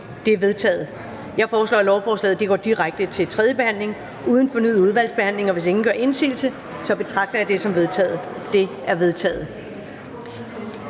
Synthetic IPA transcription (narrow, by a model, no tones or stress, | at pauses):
d̥e̝æʋe̝ð̞ˠt͡sʰɛ̰ːð̩ˠ | jɑ̈ɪfɒːslɒ̰ːlɒʊfɒːslɛ̰ːð̩ˠd̥e̝ɡ̥ɒ̰ːd̥iʁaɡ̥̚d̥ət͡sʰe̝lt͡sʰʁɛð̞ˠjəb̥e̝hæn̰le̝ŋ | uːð̞ˠən̩fɔ̽nyð̩̰ˠuð̞ˠʋæl̰sb̥eæn̰le̝ŋɒ̽ʋe̝s̬e̝ŋn̩̥ɶɐ̰ʔe̝nsḭːlsə | sɒ̽b̥e̝t͡sʰʁɑ̈ɡ̥̚d̥ɐɑd̥e̝sɒ̽mʋe̝ð̞ˠt͡sʰɛ̰ːð̩ˠ | d̥e̝ | æɐʋe̝ðˠt͡sʰɛ̰ːð̞̩ˠ